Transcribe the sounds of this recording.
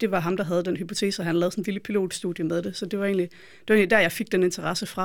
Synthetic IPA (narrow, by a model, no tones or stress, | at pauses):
d̥e̝ʋɑ̈ɦɑ̈md̥ɑ̈ɦæð̞ˠd̥enɦypʰo̝t͡sʰe̝̰ːsəɒɦænlɛːð̩sn̩liləpʰilo̝̰ːd̥sd̥ṵːðˠjəmeðˠd̥e̝sɒ̽d̥e̝ʋɑ̈e̝̰ːnli | d̥e̝̥ʋɑe̝ːnlidæɐjɑ̈ɪfeɡ̥̚d̥ene̝nt͡sʰɐʁɑ̈səfʁɑ̈